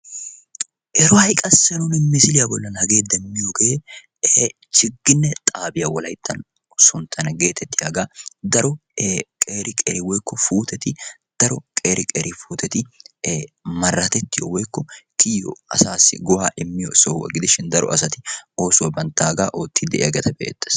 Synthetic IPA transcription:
ʔɛɾɔhɐjkʼɐsːɛnʊnɪmɪsɪlɪjɐbɔlːɐnhɐɡe̞ːd̪ɛmmːɪjoɡɛeː | t͡ʃɪɡːɪnːɛt̪ʼaːbɪjɐwɔlɐjt̪ʰːɐn | sʊnt̪ʰɐnɐɡe̞ːt̪ʰɛt̪ːɪjaːɡaːd̪ɐɾɔkʼeːɾɪkʼḛːɾɪwɔjkːɔfuːt̪ɛt̪ɪd̪̥ɐɾɔkʼeːɾɪkʼḛːɾɪfuːt̪ʰɛt̪ɪ | mɐrːɐt̪ɛt̪ːɪjɔwɔjkːɔk̪ʰɪjɔ̰ɐ̰saːsːɪ̰ɡɔwaːʔɪmːɪjɔsowɐ̰ɡɪd̪ɪʃɪnd̪ɐɾɔ̰ɐsɐt̪ɪo̞ːsʊwɐbɐnt̪ːaːɡaːʔoːt̪ːɪd̪ɛ̰ɐɡɛt̪ɐbḛːt̪ːɐ̥s

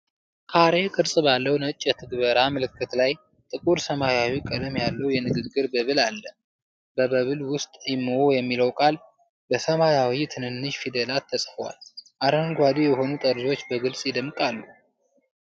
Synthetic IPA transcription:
kʰaɾe̞kʼɨɾsʼbalːəwnət͡ʃʼːɛt̪ʰɨɡbəɾaməlɨkːɨt̪laj | t̪ʼɨkʼuɾsəmajawikʼəd̪əmjalːəwjɛnɨɡɨɡːɨɾbəβɨlalːə | bəβəβɨlwʊst̪ʼjɪmwojɛmːiləwkʼal | bəsəmajawit̪ʰɨnɨnːɨʃfid̪elat̪ʰːəsʼfwa̰lʔaɾəŋɡʷad̪ijɛɦo̞nut̪ʼəɾzo̞t͡ʃːbəɡɨlsʼjɪd̪əmkʼalːu

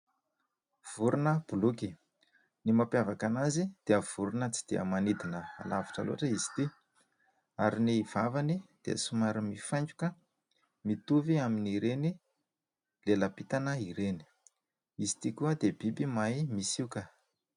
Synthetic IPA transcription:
v̥uɾunəb̥uluki | nimapjavakanazid̪̥eəv̥uɾunət͡si̥d̪̥eə̰manid̪inəa̰lavi̥ʈ͡ʂa̰lo̰aʈ͡ʂəizi̥t̪i | aɾiniv̥avanid̪̥ḛə̰sumaɾimifajɲd͡ʒukə | mit̪uviaminiɾeni | leləpit̪anəiɾeni̥ | izi̥t̪ikuəd̪ebibimajmisiukə

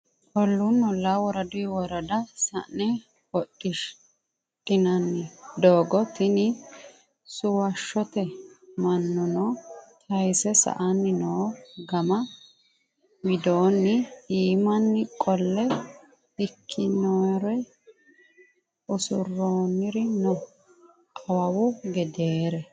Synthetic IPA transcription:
ʔɔlːunːɔlːaːwɔɾɐd̪ʊjwɔɾɐd̪ɐsɐ̰ʔnɛ | ɔɗʼːɪʃ | ɗɪnɐnːɪd̪oːɡɔt̪ɪnɪ | sʊwɐʃːɔt̪ɛmɐnːʊnɔːt̪ʰɐjsɛsɐ̰ʔanːɪnoːɡɐmɐ | wɪd̪oːnːɪiːmɐnːɪkʼɔlːɛ | ɪkʰːɪnoːjɾɔ | ʔʊsʊrːoːnɪɾɪnɔ | kɐwɐwʊɡɛd̪eːɾɛ

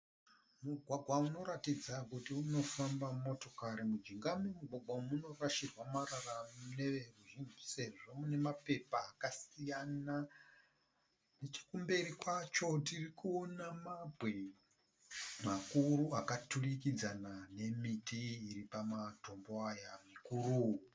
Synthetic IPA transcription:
muɡʱwaɡʱwauno̞ɾatid͡zakutiuno̞fambamo̞to̞kaɾimud͡ʒiŋɡamemuɡʱwaɡʱwamuno̞raʃirwamaɾaramune̞ʋeruʐinise̞ʐo̞mune̞mape̞paːkasijana | net͡ʃi̥kumbe̞ɾikwat͡ʃo̞tirikuonamabʱwe | makuɾuakaturikid͡zanane̞mitiːripamato̞mbo̞ajamikuru

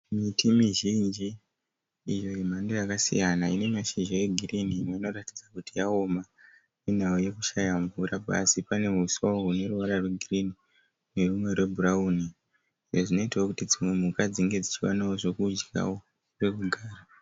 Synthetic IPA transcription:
mitimiʒind͡ʒiː | jo̞jim̤andojakasḭjanaine̞maʃind͡ʒaeɡʱiriniːmweino̞ratid͡zakutijao̞ma | inauje̞kuʃajaɱvuɾaba̰sipane̞ɦuswaoɦune̞ruwaɾarweɡʱirini | ne̞rumwe̞rwe̞bʱurauːni | iʐoʐino̞itawokutid͡zimwe̞mukad͡ziŋɡe̞d͡zit͡ʃiwa̰nawoʐe̞kud͡ʒɡa̰wo | re̞kuɡʱaːra

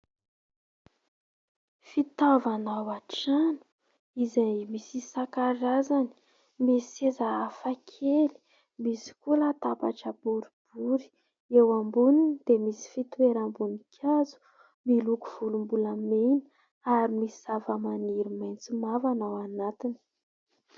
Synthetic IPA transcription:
fit̪avanawaʈ͡ʂanu̥ | izajmisisakaɾazani̥ | misezaːfakʰeli̥ | misi̥kulat̪apaʈ͡ʂəbuɾib̥uɾi̥ | ewambuninid̪̥emisi̥fit̪ueɾambunikʲʰazu̥ | miluku̥v̥ulumbulameni̥ | aɾimisiavəmaniɾimajnt͡simavanawanat̪ini̥

